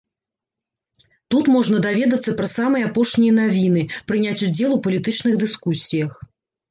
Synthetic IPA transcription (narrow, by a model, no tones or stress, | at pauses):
t̪ut̪mɔʐnɐd̪avʲɛd̪ɐt̪sːɐpɾɐsamɨjɐapɔʂnʲijɐnavʲin̪ɨpɾɨnʲat͡sʲud͡zʲɛlˠupɐlʲit̪ɨt͡ʂn̪ɨɣd̪ɨskusʲijɐx